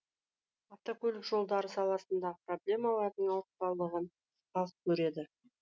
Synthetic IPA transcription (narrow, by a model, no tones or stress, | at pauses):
aft̪akʲʰɵlʲɪkʒo̞lˠd̪ɑɾəsɑlˠɑsənd̪ɑəpro̞blʲe̞mɑlˠɑɾd̪əɴɑwˠəqt̪ɑlˠəʁən | qɑlˠəq̚kʲʰɵɾe̞d̪ɪ